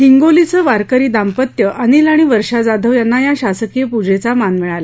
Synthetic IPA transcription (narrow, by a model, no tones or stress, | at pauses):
ɦiŋɡolit͡səʋaɾkəɾiːd̪ampət̪jəʔəñilaɽ̃iʋəɾʂad͡zad̪ʱəʋjanːajaɕasəkijəpud͡ʑet͡samanmiɭala